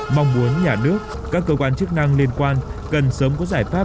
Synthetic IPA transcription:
ma˧wŋ͡mmu˨˦ənɲaː˧˩nɨ˦˥ək̚ | kaː˦˥kːəː˧kwaː˧nt͡ɕɨ˦˥k̚na˧ŋli˧ənkwaː˧nkə˨˩nsəː˨˦mkɔ˨˦zaː˧˩jfaː˦˥

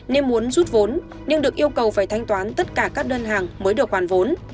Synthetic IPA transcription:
ne˧nmu˨˦ənzu˦˥t̚vo˨˦n | ɲɨ˧ŋɗɨ˨˩ək̚ʔi˧əwkə˨˩wfaː˧˩jt̪ʰa˧jŋ̟t̪waː˨˦nt̪ə˦˥t̚kaː˧˩kaː˦˥k̚ɗəː˧nɦaː˨˩ŋməː˨˦jɗɨ˨˩ək̚waː˧˩nvo˨˦n

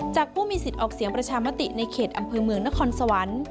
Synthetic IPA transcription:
t͡ɕaː˨˩k̚pʰuː˥˩miː˧si˨˩t̪̚ʔɔː˨˩k̚si˨˩˦əŋpɾa˧t͡ɕʰaː˧ma˦˥t̪i˨˩na˧jkʰeː˨˩t̪̚ʔa˧mpʰɤː˧mɯ˧əŋna˦˥kʰɔː˧nsa˧wa˩˦˥n

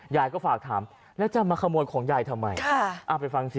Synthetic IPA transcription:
jaː˨˩jkɔː˥˩faː˨˩k̚t̪ʰaː˩˦m | lɛ˦˥wt͡ɕa˨˩maː˧kʰa˧mu˧ənkʰɔː˩˦ŋjaː˨˩jt̪ʰa˧mːa˧jʰa˥˩ʔa˨˧˩pa˧jfa˧ŋsi˨˩

